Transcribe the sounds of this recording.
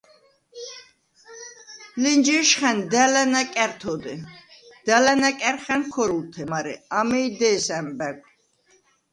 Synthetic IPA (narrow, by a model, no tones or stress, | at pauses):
lind͡ʒɛʃχɛnd̪ɛlɛnækʼɛɾt̪ʰɔd̪ɛd̪̥ɛlɛnækʼɛɾχɛnkʰɔɾult̪ʰɛmaɾɛ̰amɛd̪ɛːsɛmbɛɡ